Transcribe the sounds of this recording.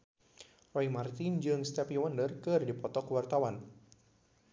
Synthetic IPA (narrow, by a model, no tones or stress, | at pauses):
rɔimart̪ind͡ʒɨŋst̪ɛpiwandərkɨrdipɔt̪ɔkəwart̪awan